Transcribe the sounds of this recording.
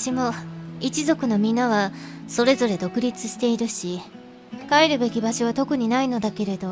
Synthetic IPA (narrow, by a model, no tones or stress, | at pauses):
ɕimo̞it͡ɕizo̞kɯ̟no̞mʲinːaβaso̞ɾe̞zo̞ɾe̞d̪o̞kɯ̟ɾʲit͡sɨɕi̥t̪e̞iɾɯ̟ɕi | ɸkaeɾɯ̟be̞kʲibaɕo̞β̞at̪o̞kɯ̟ɲ̟inaino̞d̪ake̞ɾe̞d̪o̞